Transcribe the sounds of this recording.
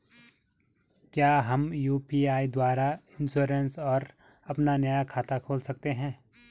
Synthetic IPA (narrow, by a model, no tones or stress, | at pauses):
kjaːɦɐmjuːpiaːid̪waːɾaɪ̃nʃoːɾensɔːɾ | ɐpnanɐjakʰaːt̪akʰoːlsɐk̚t̪eɦɛ̃ː